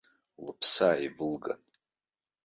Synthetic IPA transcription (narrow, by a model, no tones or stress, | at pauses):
lɨpʰsaːivɨlɡa̰n